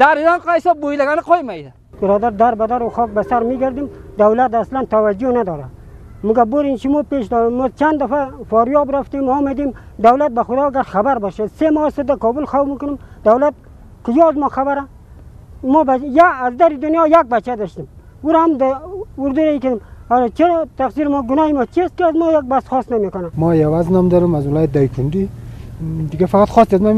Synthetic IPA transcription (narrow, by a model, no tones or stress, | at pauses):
d̪̥aɾid̪anqaisɔbojlaɡanaqʰɔimajd̪a | bɪɾɔd̪aɾd̪aɾbad̪aɾuxɔk̚basaɾmiɡaɾd̪imd̪awlat̪aslant̪awad͡ʒunad̪ɔɾa | mʊɡaboɾinʃumɔpeʃd̪ɔmɔt͡ʃʰand̪afafɔɾjɔbɾaft̪imɔmad̪emd̪awlat̪̚baxʊd̪ɔɡaɾxabaɾbɔʃasemɔsəd̪akɔbulxawmikʊnəmd̪awlat̪̚ | kɪd͡ʒɔːzmɔxabaɾa | mɔbajːzd̪aɾid̪ʊnjɔjaɡ̚bat͡ʃad̪ɔʃt̪ɪm | uɾahamd̪aʊɾd̪uɾaikad̪ɪmaɾt͡ʃeɾt̪aqsiɾɪmɔɡʊnɔhimɔt͡ʃʰiast̪̚kɪazmɔjaɡ̚basxɔst̪namekʊnamɔewaznɔmd̪ɔɾɪmazwɪljat̪̚d̪ajkʰund̪i | d̪ɪɡafaqat̪xɔst̪azmam